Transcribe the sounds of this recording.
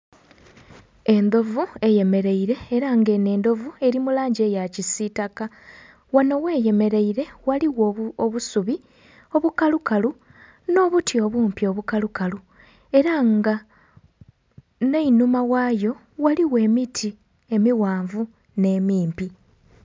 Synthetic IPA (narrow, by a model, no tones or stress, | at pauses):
e̞nd̪o̞vue̞je̞me̞ɾe̞iɾe̞ːɾaŋɡe̞ne̞ːnd̪o̞vue̞ɾimulaːɲɟe̞ːjacisitaka | wano̞we̞ːje̞me̞ɾe̞iɾe̞waliwooβusuβi | o̞βukalukalu | no̞ːβutio̞βuːmpio̞βukalukalu | e̞ɾaŋɡa | ne̞inumawaːjo̞ | waliwe̞ːmitʰi | e̞miwaːɱvu | ne̞ːmiːmpi